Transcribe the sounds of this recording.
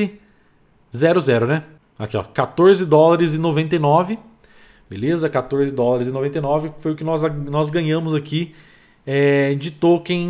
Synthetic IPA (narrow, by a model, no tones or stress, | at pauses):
ɪ | zɛɾʊzɛɾʊnɛ | akiɔ̰kat̪oɾzɪd̪ɔlaɾɪzɪ̃novẽnt̪ejnɔvɪ | belezɐkat̪oɾzɪd̪ɔlaɾɪzɪ̃novẽnt̪̬ejnɔvɪfojʊkɪnɔzanɔzɡɐ̃ɲɐ̃mʊzaki | ɛd͡ʒit̪okẽj̃